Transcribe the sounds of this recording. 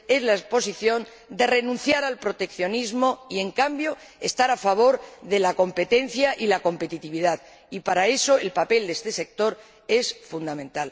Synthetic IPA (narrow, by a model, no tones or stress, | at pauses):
e̞zlaespo̞siθjo̞n | d̪e̞re̞nũn̟θjaɾalpɾo̞t̪e̞kθjo̞nizmo̞ie̞ŋkambjo̞ | est̪aɾafaβ̞o̞ɾðelako̞mpe̞t̪e̞n̟θjaʔilako̞mpe̞t̪it̪iβ̞iðað | ipaɾae̞so̞e̞lpape̞ld̪est̪e̞se̞k̚t̪o̞ɾ | e̞sfund̪amẽ̞nt̪al